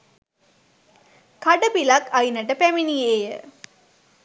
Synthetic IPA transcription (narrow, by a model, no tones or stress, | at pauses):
kɐɖɐpilɐkɐjinɐʈɐpæminijeːjə